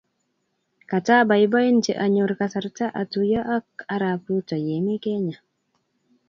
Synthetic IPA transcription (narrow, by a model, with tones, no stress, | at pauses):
ka˨ta˦ba˨ɪ˨˦bɔ˦i˦nt͡ʃḛ˨ʔa˨ɲʊ˨ɾka˨sa˨ɾta˦ʔa˨tu˨ja˦ʔa˦k̚a˦ɾa˨pu˦tɔ˨je˨mi˦kɛ˦ɲa˨